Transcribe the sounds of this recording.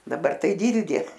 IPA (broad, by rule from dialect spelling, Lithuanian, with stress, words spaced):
dɐˈbɐr tɐɪ ˈdʲiːlʲdʲeː